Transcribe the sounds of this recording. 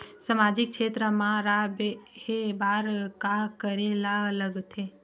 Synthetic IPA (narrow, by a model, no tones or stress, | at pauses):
səmaːd͡ʒɪk̚kʃeːt̪ɾəmãɾabhebaːɾkakəɾelaələɡt̪ʰeː